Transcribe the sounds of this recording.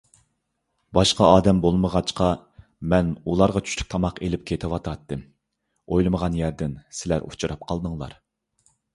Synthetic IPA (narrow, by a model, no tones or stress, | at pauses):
bɑʃqɑɑːd̪ɛmbolˠməʁɑt͡ʃqʰɑ | mɛnulˠɑɾʁɑt͡ʃʰy̥ʃlʲy̥kʲt̪ʰɑmɑqelɪp̚kʲʰet̪ʰɪwɑt̪ʰɑt̪ːɨm | ojlˠɨməʁɑnjæɾd̪ɪnsɪlæ̰ɾṵt͡ʃʰuɾɑp̚qʰɑlˠd̪ɨŋlˠɑ̰ɾ